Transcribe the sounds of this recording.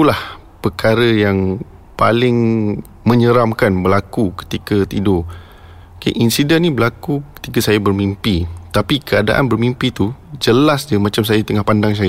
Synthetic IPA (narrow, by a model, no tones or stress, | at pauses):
ulah | pəkaɾəjaŋ | palɪŋ | mə̃ɲəɾamkanbəlakukə̥t̪ikət̪ido | kḛʔinsidɛnːĩbəlakukə̥t̪ikəsajabərmimpit̪apikəada̰ʔa̰nbərmimpit̪ud͡ʒəlasd͡ʒəmãt͡ʃams̬ajat̪əŋahpandaŋs̬aja